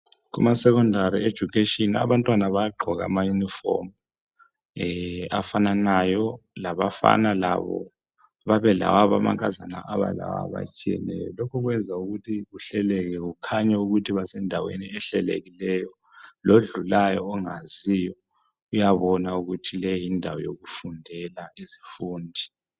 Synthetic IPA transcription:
kṵmasɛkɔndʱaɾied̥ʒ̥ʱukʰeʃʼina̰βantʼwanaβajaɡ͡ǃʱɔɣa̰majunifɔ̰m | afananajɔlaβafa̰nala̰βɔ̰ | βaβɛla̰waβama̰ŋkʼazana̰ʔaβa̰la̰wa̰βa̰t͡ʃʼijɛ̰nɛ̰jɔ̰lɔkʰɔɣwɛnd͡zʱauɣutʰiɣuɬɛlɛɣɛɣukʰaɲauɣutʰiβasɛndʱawḛniɛɬɛlḛɣilɛjɔ | loɮulajɔːŋazijɔ | ujaβɔnauɣutʰilɛjindʱawɔ̰jo̰ɣufundʱɛlaizifuːndʱi

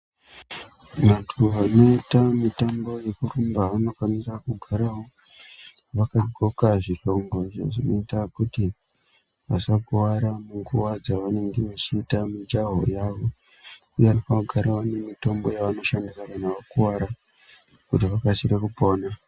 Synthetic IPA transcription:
ʋantʰuʋano̞itamitambo̞je̞kurumbaʋano̞faniɾakuɡʱaɾawo̞ | ʋakaɡʱokaʐiʃo̞ŋɡo̞ʐḛʐino̞itakuti | ʋa̰sakuwaɾamuŋɡuwad͡zaʋane̞ŋɡe̞ʋat͡ʃiːtamid͡ʒaɦo̰jaʋo̞ | ujeʋanofaɡʱaɾaone̞mito̞mbo̞jaʋano̞ʃandisakanaʋakuwaɾa | kutiʋakasiɾekupo̞ːna

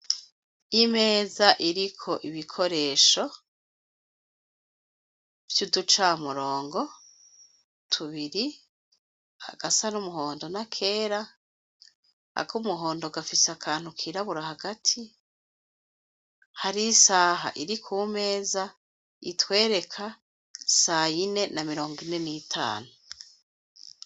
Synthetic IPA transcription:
imeːzaʔiɾikʰo̞ʔiβikʰo̞ɾe̞ːʃo̞ | v̥judut͡ʃamuɾo̞ːŋɡo̞ | tʰuβiɾi | ha̰ɡ̥asanumuɦoːndo̞nakʰe̞ːɾa | ha̰kumuɦo̞ːndoɡafisakʰaːn̥hukʰiːɾaβuɾahaɡatʰi | haɾisaːɦa̰ʔiɾikʰuːme̞ːza | itwe̞ːɾe̞kʰa | sajine̞namiɾo̞ːŋɡine̞niːtʰa̰ːnu

